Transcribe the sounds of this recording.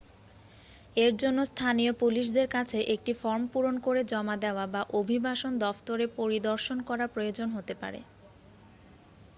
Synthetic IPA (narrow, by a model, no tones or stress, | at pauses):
eɾd͡ʑonːost̪ʰaniopuliʃ̬d̪eɾkat͡ɕʰeʔek̚ʈifɔɾmpuɾonkoɾed͡ʑɔmad̪eoabaʔobʱibaʃond̪ɔft̪oɾepoɾid̪oɾʃonkɔɾaɾpɾojod͡ʑonɦot̪epa̰ɾḛ